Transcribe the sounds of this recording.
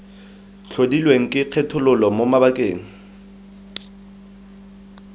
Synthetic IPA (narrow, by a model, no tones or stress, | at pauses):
t͡ɬʰodilweŋ̩kʼɪq͡χʰɛtʰʊlʊlɔmomabakʼeːŋ̩